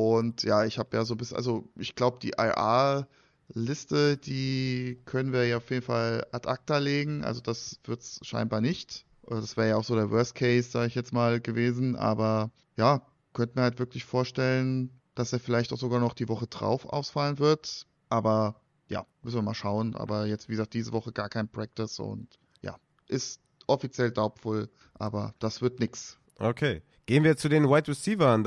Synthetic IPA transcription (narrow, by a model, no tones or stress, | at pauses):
ʔʊntjaːɪçhaːbəjaːzoːbɪs̩a̰lzoʔɪçɡ̥laʊbəd̥ḭːʔa̰ʔa̰ː | lɪstəd̥iːkʰœnənviːɐjaːɐaʊfjeːdn̩falatʔak̚taleːɡŋ̩ʔa̰lzod̥asv̥ɪɐtsʃa̰ɪnbaːɐnɪçt | ʔod̥asv̥ɛːɐəjaːaʊxz̥oːɾeːɐvœɐst̚kʰɛɪsz̥aːɡəɪçjɛt͡smaːlɡəveːzn̩ʔa̰ːbɐ | jaː | kʰœntəmiːɐhaltv̥ɪɐklɪçfoːɐʃtɛlən | d̥aseːɐfɪlaɪçtaʊxz̥oɡaːnɔχd̥iːvɔχədʁa̰ʊfʔa̰ʊsfalənvɪɐt | ʔaːbɐ | ja̰ːmʏsn̩viɐmaːlʃaʊənʔa̰ːbɐjɛt͡stv̥iːɡəzaːk̚d̥iːzəvɔχəɡaːɐkʰaɪnpʁ̥ɛk̚tɪsʊ̰nt | ja̰ː | ʔɪst | ʔɔfit͡sjɛldaʊpfɔl | ʔa̰ːbɐd̥asv̥ɪɐtnɪks | ʔokʰeː | ɡ̥eːənviːɐt͡sudeːnwaɪtʁɛsiːvɐn